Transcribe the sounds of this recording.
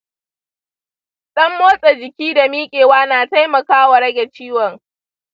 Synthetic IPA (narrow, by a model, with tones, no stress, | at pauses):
ɗɐ˦mːoː˦sʼɛ˨d͡ʒɪ˨kʲiː˦da˨miː˦kʲʼeː˨waː˦naː˨ta˦jmɐ˨kaː˦wa˨ɽɐ˦ɡʲɛ˨t͡ʃiː˦wɔ˨ŋ